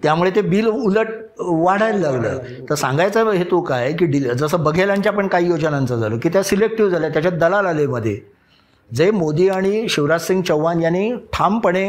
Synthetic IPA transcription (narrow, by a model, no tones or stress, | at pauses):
t̪jamuɭet̪ebiːluləʈ̚ | ʋaɽ̤ajllaɡlə̰ː | t̪əɾsã̰ŋɡajt͡səɦet̪okajk̬iːɖid͡zəsəːbəɡʱelãɲt͡ɕjapəɳkaɦiːjod͡znãnt͡səd͡zʱaloːkiːt̪jasilek̚ʈiʋd͡zʱaljat̪jat͡ɕjad̪əlalaleməd̪ʱːje | d͡zemod̪iːaɽ̃iɕiʋɾad͡zsiŋɡt͡ɕəwʋanjanːeʈʰampəɽ̃e